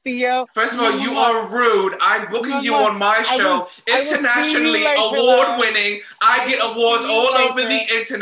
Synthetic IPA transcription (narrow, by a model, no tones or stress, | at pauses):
fɜ˞stʌvɔlˠjɨəɹʉdãɪ̃mbʊkɪ̃ŋjɨə̃nmaɪʃʃoʊ | ɪ̃ntənæʃɨnl̩ˠiəwɔɹd̚wɪ̃nɪ̃ŋ | ʔaɪɡɛɾəwɔɹdzɔlˠoʊvə˞ðiʔɪ̃ntən